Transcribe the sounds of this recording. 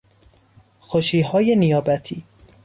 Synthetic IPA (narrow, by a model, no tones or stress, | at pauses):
xoʃiːɦɒːje̞nijɒːbæt̪ʰiː